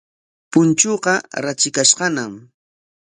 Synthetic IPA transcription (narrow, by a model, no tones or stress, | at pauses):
pʊnt͡ʃoqɑɾat͡ʃɪkaʃɢɑnam